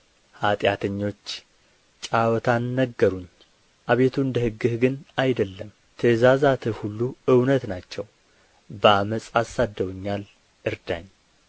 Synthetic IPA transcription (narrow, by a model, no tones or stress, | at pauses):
hat̪ʼjat̪ʰəɲːo̞t͡ʃː | t͡ʃʼawɔt̪ʰanːəɡːəɾuɲː | ʔaβe̞t̪ʰuɨnd̪əhɨɡːɨhɡɨnajd̪əlːəm | t̪ʰəzazat̪ʰɨhulːuɨwnət̪nat͡ʃːɛw | bəaməsʼasːad̪ːəwuɲːal | ʔɨɾd̪a̰ɲ